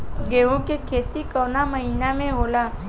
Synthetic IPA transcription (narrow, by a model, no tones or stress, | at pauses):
ɡeːõkekʰeːt̪ikɔːnaməɦinamẽɦoːlaː